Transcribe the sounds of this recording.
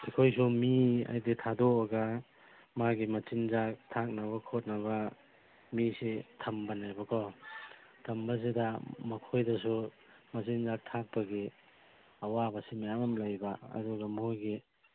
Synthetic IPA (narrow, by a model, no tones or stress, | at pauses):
ikʰojsumia̰jditʰadoːɡa | maɡimɐt͡ʃinzak̚tʰak̚nɐβɐkʰot̚nɐβɐ | misitʰɐmbɐnajbɐkʰɔ | tʰɐmbɐs̬idɐmɐkʰojdɐs̬u | mɐt͡ʃinzak̚tʰak̚pɐɡi | ɐwabɐsimajamamlajbaɐ̰duɡɐmojɡi